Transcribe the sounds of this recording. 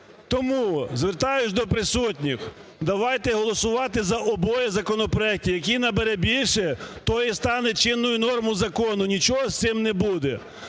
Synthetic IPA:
t̪ɔmuzʋert̪ɑjʊt͡ʃʲd̪ɔpɾɪsutʲnʲix | d̪ɐʋɑjt̪ɛɦɔlˠɔsʊʋɑt̪ɪzɐʔɔbɔjɛzɐkɔnɔpɾɔɛk̚tʲijɐk̬ʲijnɐbeɾɛbʲilʲʃɛt̪ɔjist̪ɑnɛt͡ʃɪnːʊjʊnɔrmʊzɐkɔnʊnʲit͡ʃɔɦɔst̪ɪmnɛbud̪ɛ

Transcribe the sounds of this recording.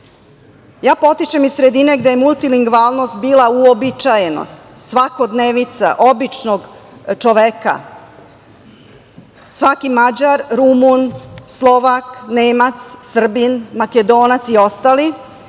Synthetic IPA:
jaːpo̞t̪it͡ʃemizsɾe̞d̪ine̞ɡd̪ejemulˠt̪iliŋɡʋalˠno̞st̪̚biːlauobit͡ʃajeno̰st̪sʋako̞d̪neːʋnit̪sa̰ʔobit͡ʃnoɡt͡ʃoʋeka̰ | sʋakimad͡ʑaɾɾumunslˠo̞ʋakneːmat̪ssr̩binmaked̪o̞ːnat̪sio̞st̪ali

